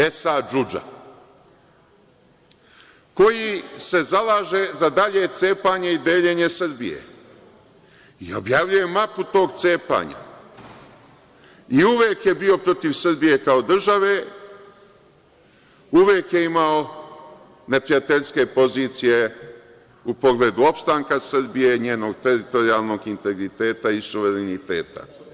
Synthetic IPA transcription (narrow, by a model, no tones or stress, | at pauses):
e̞sad͡ʒud͡ʒa̰ | ko̞jise̞zalaːʒe̞zad̪aʎe̞t̪se̞ːpaɲeid̪e̞ːʎe̞ɲe̞sɨr̩bḭjḛ | io̞̰bjavʎuje̞maput̪o̞ːɡt̪se̞ːpa̰ːɲa̰ | iuʋeːkje̞bio̞pɾo̞t̪iʋsɨr̩bije̞kaod̪r̩ʒaʋe̞ | uʋeːkje̞imao̞ | ne̞pɾijat̪e̞ʎske̞po̞ziːt̪sije̞ | upo̞ɡle̞ːd̪uo̞pst̪aːŋkasɨrbije̞ɲeːno̞ɡ̚t̪e̞ɾit̪o̞ɾiaːlˠno̞ɡint̪e̞ɡɾit̪e̞ːt̪aisuʋe̞ɾenit̪eːt̪a̰